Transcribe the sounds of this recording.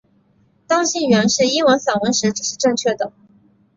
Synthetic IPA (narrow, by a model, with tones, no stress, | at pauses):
t̪ɑ˥ŋɕi˥˩nɥɛ˧˥nʂɻ̩˥˩i˥nwə˧˥nfa˨˩nwə˧˥nʂɻ̩˧˥ʈ͡ʂɻ̩˨˩ʂɻ̩˥˧ʈ͡ʂɤ˥˧ŋt͡ɕʰɥɛ˥˩d̪ə˩